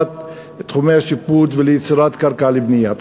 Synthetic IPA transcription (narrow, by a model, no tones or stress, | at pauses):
t̪ | t̪χumehaʃipːuːt̪velejɪt͡siɾaːt̪kaɾkalibnijːat̪